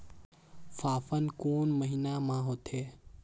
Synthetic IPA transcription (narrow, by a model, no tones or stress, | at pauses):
faːfənkoːnməɦinamãɦot̪ʰeː